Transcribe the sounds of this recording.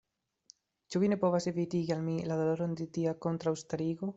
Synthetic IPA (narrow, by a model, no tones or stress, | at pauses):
t͡ʃuβinepoβaseβit̪iɣalmilaðoloɾond̪it̪iakont̪ɾaust̪aɾiɣo